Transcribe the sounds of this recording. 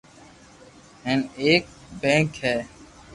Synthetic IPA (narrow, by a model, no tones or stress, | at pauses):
ɦẽːneːk̚bẽːŋkɦɛː